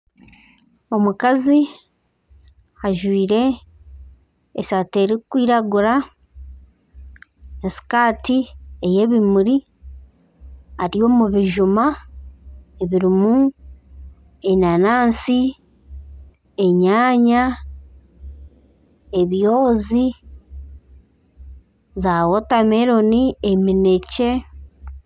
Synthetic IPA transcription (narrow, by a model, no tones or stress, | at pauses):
o̞mukazi | aʒwiːɾe̞ | sate̞ɾekkːwiːɾaɡuɾa | nasi̥kaːtieje̞ːβimuɾi | aɾijo̞muβiʒuma | eβiɾimu | eɲanaːnsi | eɲaːɲa | eβjo̞ːzi | zawo̞tameɾo̞niemine̞ce̞